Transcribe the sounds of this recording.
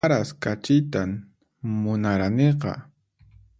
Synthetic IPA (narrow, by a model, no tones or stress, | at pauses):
aɾaskat͡ʃɪjt̪am | mʊnaɾaneqɑ̰